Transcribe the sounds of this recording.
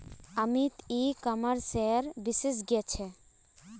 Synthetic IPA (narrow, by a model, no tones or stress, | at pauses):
amit̪ikamaɾsɛɾbises̬ɡɛt͡ɕʰɛ